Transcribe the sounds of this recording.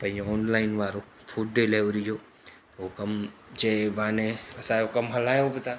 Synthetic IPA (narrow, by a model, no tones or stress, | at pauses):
pɐĩɔːnlaːɪnʋaːɾo | pʰuʈ̚ɖeleːʋɾijo | okɐmd͡ʒeʋaːneəsaːjokɐmɦɐlaːjobət̪a